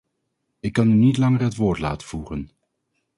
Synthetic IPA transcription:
ɪkːɑnynitlɑŋərɦətʋʊːɹtla̰ːtəv̥uχən

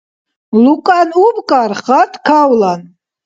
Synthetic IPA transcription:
lukʼanubkʼaɾχat̪ʰkʰawlan

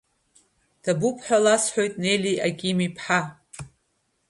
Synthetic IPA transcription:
d̥abupʰħʷᶣalasħʷᶣo̞jtʼne̞jliʔaɡʲʼiːmipʰħa

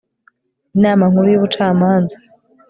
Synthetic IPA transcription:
inaːmaŋ̥uɾujiβut͡ʃaːmaːnza

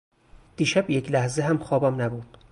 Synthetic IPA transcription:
d̪̥iːʃæbjecʰlæhzeɦæmxɒːbæmnæbuːd̪̥̚

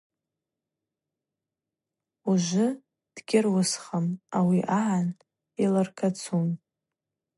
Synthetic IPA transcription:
uʒʷʊ | d̥ɡʲɪrwʊsχamawiʔaʕan | ilarkʰat͡sʰum

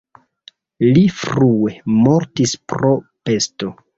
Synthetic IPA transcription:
lifɾue̞mo̞ɾtispɾo̞pe̞sto̞

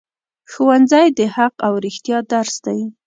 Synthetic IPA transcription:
xowanzajd̪əhaqawɾɪxt̪jɑd̪aɾsd̪aj

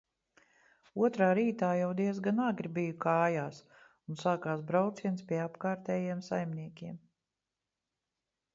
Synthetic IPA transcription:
uɔt̪ɾaːɾiːt̪aːjawd̪iɛzɡanaɡɾibijukaːjaːs | unsaːkaːsbɾawt̪siɛnspʲiɛapkaːɾt̪ɛːjiɛmsajmniɛkʲiɛm

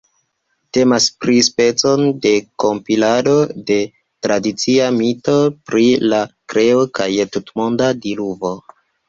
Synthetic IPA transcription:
te̞maspɾispe̞t͡so̞nde̞ko̞mpilado̞de̞ | tɾadit͡siamito̞pɾilakɾe̞okajtutmo̞ndadiluvo̞

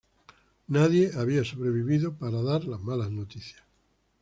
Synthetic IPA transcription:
naðje̞aβiaso̞βɾe̞βiβiðo̞paɾaðaɾlazmalaznot̪iθjḁs

